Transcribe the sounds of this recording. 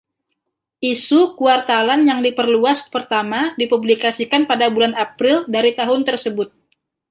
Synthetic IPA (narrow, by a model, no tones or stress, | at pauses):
ʔisukuart̪alanjaŋdipərluaspərt̪amadipublikasikanpadabulanapɾɪldaɾit̪aɦʊnt̪ərsəbʊt̪̚